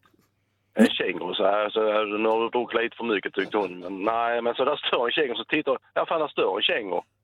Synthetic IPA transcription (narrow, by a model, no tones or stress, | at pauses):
ɛnɕɛŋːəsɔæsɔnʉːhɑdəbɾuːkt̪liːt̪ə̥fœɾmʏkːət̪ʰːʏk̚t̪əhʊnmɛnːæɪmɛnsɔd̪æst̪ʰøːɾɛnɕɛŋːəsɔt̪ʰɪt̪ːaɾafaːnd̪æɾst̪øːɾɛ̰nɕɛŋə̰